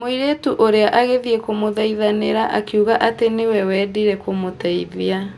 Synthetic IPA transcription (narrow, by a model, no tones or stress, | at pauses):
moiɾetuʔoɾeaʔaɣeðiɛkomoðaiðaneɾaʔakiuɣaʔatenewɛwɛdiɾɛkomotaiðia